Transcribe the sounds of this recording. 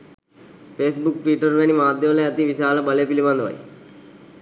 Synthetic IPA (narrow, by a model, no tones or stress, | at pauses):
peːsbuk̚ʈʋiʈəɾʋeñimaːd̪joleɐt̪iʋɪʃaːlabɐleːpilimãnd̪ʋa̰ːḭ